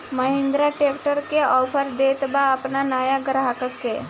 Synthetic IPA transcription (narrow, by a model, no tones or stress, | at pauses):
məɦẽnd̪ɾaʈekʈəɾkeɔːpʰəɾd̪et̪baːpnanajaɡəɾaɦakəkːe